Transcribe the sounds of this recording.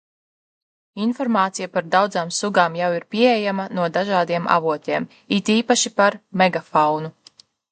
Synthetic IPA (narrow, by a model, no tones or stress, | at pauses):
infɔɾmaːt̪sijapaɾd̪awd̪zaːmsuɡaːmjawiɾpʲiɛejamanuɔd̪aʒaːd̪iɛma̰vuɔt̪ʲeɛm | it̪iːpaʃipaɾmɛɡafawnu